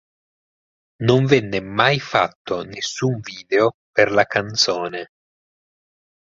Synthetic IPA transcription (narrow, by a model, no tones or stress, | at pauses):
noɱvɛnːemajfa̰t̪ːonesːuɱviːd̪eoperlakant̪soːne